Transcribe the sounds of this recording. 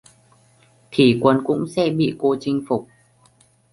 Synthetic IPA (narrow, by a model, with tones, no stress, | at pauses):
t̪ʰi˧˩kwə˧nkʊ̰˧˥ŋ͡msɛ̰˧˥ɓḭ˧˨ko˧t͡ɕï˧ŋ̟fʊ˨˩k͡p̚